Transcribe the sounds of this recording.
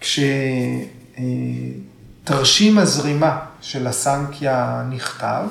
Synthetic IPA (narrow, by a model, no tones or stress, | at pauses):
kʃe | taʁʃimazʁimaʃelasaŋkʰjaniχta̰v